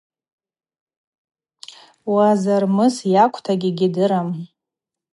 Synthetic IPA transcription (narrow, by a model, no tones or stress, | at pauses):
wazarmɨsjakʷʰtʰaɡʲɪɡʲɪdɨɾam